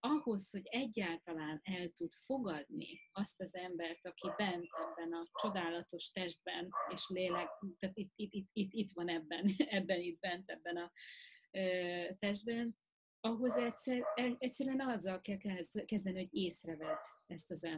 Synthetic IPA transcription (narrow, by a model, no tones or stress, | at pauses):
ɒho̞sho̞ɟɛɟːaːlt̪ɒlaːnɛlt̪ud̪fo̞ɡɒd̪nḭɒst̪ɒzɛmbɛrt̪ɒkibɛnt̪ɛbːɛnɒt͡ʃo̞d̪aːlɒt̪o̞ʃt̪ɛʒd̪̚bɛneːʃlelɛɡt̪aːt̪it̪ːit̪ːit̪ːit̪ːit̪ʋɒnɛbːɛnɛbːɛnit̪̚bɛnt̪ɛbːɛnɒ | øːt̪ɛʒd̪̚bɛn | ɒɦo̞zɛtsɛɛɛcʲsːɛɾyɛnɒzːɒlkɛlkɛzkɛzd̪ɛniho̞ɟeːsrɛvɛd̪ɛst̪ɒzɛ